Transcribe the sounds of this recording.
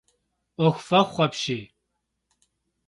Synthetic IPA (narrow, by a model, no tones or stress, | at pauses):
ɔxʷfɐχʷχʷɐpʃiː